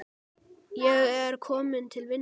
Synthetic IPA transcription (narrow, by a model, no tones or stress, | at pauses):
jɛɣæɾkʰɔːmɪnt̪ʰɪlʋɪn